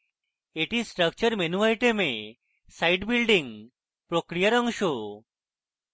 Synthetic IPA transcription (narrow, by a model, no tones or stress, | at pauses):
eʈisʈɾək̚t͡ʃəɾmenuʋajʈemẽ | sajʈbilɖiŋ | pɾokɾijaɾʌŋʃo